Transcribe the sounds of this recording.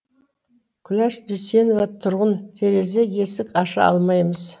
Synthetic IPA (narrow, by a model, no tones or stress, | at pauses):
kʲʰʏlæʃd̪ʏse̞novat̪ʰʊɾʁənt̪ʰeɾe̞ze̞je̞sɪkɑʃɑ̰ɑ̰lˠmɑjməz